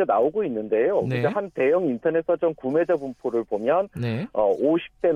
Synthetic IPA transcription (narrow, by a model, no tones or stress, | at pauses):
enaoɡoinːɯnde̞joid͡ʑeɦante̞jʌŋintʰʌnesʰʌd͡ʑʌmkume̞d͡ʑebumpʰoɾɯɭpomjʌnneʌoɕʰi̥p̚t͈e̞